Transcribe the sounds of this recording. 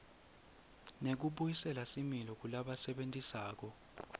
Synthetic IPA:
nek̬uɓujisɛlasimilɔk̬ulaɓasɛɓentʼisaːk̬ɔ

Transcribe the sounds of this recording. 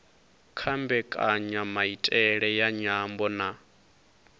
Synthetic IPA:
kʰambɛkʼaɲamaitʼɛɺɛjaɲambɔna

